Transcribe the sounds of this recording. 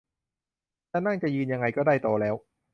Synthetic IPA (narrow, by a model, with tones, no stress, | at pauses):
t̪ɛː˧˥˩na˥˩ŋt͡ɕa˨˩ʔjɯː˧nja˧ŋa˧jkɔː˥˩daː˥˩jt̪oː˧lɛː˦˥w